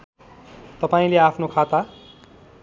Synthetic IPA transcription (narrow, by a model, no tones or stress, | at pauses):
t̪ʌpaĩleapʰnokʰat̪a